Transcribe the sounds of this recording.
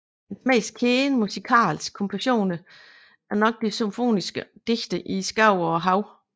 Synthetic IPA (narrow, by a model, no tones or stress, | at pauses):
ensmḛːskʰeːnmusikʰɑ̰ːlskʰɒ̽mpʰæɕo̝̰ːnə | æɐnɒ̽ɡ̥̚d̥isomfo̝̰ːnisɡ̥əd̥e̝ɡ̥d̥əʔisɡ̥ɑ̈ʊ̰ɒɦɑ̈ʊ